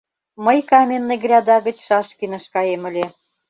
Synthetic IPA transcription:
məjkɑmʲenːə̆ɣrʲɑd̪ɑɣə̆t͡ɕʃɑʃkinə̆ʃkɑjemə̆lʲe

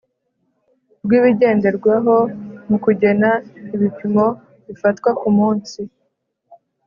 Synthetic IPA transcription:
bɡiːβiɟe̞ːnde̞ɾɡwaɦo̞mukuɟe̞naiβipimo̞ | βifatkwaʔumuːnsi

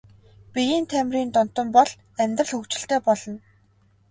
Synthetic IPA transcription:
pijiːnt̪ʰæmriːnt̪ɔn̥t̪ɞ̆mpɔɮ | æmʲt̪rə̆ɮɵkt͡ɕɪ̆ɬt̪eːpɔɮɞ̆n

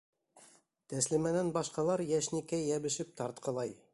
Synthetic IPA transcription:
t̪æslimænænbɑʃqɑlˠɑɾjæʃnikæjːæβɘ̆ʃɘp̚t̪ɑɾt̪qɤ̆lˠɑj

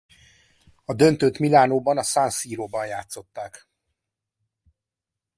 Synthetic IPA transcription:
ɒd̪ø̞nt̪øːt̪milaːnoːbɒnɒsansiːɾoːbɒnjaːt̪so̞t̪ːaːk

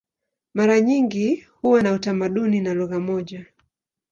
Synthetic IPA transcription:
maɾaɲiŋɡihuwanautamaɗuninaluɣamɔʄa

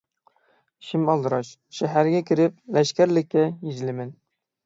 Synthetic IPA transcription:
ʃɪmɑlˠd̪ɨɾɑʃ | ʃɛɦæɾɡʲɛkʲʰɪɾɪp̚lɛʃkʲæɾlɪk̚ʲkʲɛjizlɪmɪn

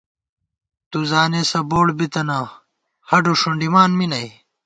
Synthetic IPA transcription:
t̪uzaːnesɐboːɽbit̪ɐna | hɐɖoʂuɳɖimaːnminɐj

